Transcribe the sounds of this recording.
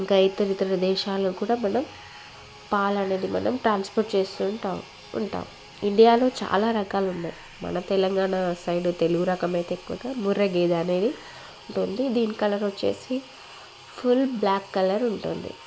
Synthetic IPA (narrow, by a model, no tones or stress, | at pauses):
iŋkɐit̪ɐɾit̪ɾɐɾɐd̪ɛːʃaːlɐkuːɽaːmɐnɐm | paːlɐne̞ːd̪imɐ̰nɐmʈɾaːnspoɾʈ̚t͡ʃe̞ːst̪uːɳʈaː | ṵɳʈa̰ːm | iɳɖijaːlo̞ːt͡ʃa̰ːlaːɾɐkaːluɳːaːji | mɐ̰nɐt̪ɛlɐŋɡaːɳasɐjɖut̪eluɡuɾɐkɐmɐjt̪eːkːuʋɐ̰ɡaːmuɾɐɡeːd̪ɐːne̞ːd̪i | uɳʈund̪id̪iːnikɐlɐɾoːt͡ʃe̞̰ːsi | pʰulblaːkːɐlɐɾuɳʈṵnd̪ḭ